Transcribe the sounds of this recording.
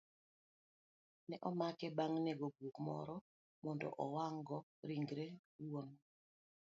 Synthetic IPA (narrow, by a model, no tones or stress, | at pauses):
nɛʔɔmakɛbaŋnɛɡoɡukmɔ̰ɾɔ | mɔndɔ̰ʔɔwaŋɡɔɾiŋɡɾe | won